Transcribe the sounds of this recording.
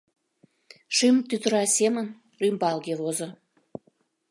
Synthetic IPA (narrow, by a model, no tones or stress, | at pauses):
ʃymt̪yt̪əɾɑsʲemən | rymbɑlɣeβozo